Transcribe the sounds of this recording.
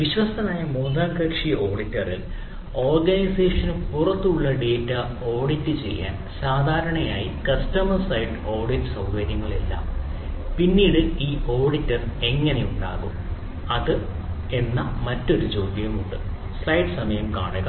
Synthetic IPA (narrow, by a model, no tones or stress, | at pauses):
ʋiɕʋɐsɐnaːjɐmuːðaːɡɐkʂio̞ːɖitːɐril | o̞ːrɡɐniseːʂɐnupurɐt̪ːuɭːɐɖe̞ːtːɐ | o̞ːɖitːɨt͡ɕe̞̰jːa̰ːn | saːd̪ʱaːɾɐɳɐjaːjḭkɐstɐmɐrsɐjɖɨo̞ːrɖitːɨ̥sɐwɡɐɾjɐŋːɐɭḛlːɐ̰mpinːiːɽɨiːʔo̞ːɖitːɐre̞ŋːɐne̞uɳɖa̰ːɣum | ɐðɨ | e̞nːɐmɐtːo̞ɾut͡ɕo̞ːd̪jɐmuɳɖɨ | slɐjɖɨsɐmɐjɐmka̰ːɳɨɣɐ